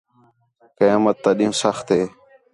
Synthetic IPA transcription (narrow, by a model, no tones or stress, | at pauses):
kəjaːmət̪ːaːɗĩːmsəxt̪eː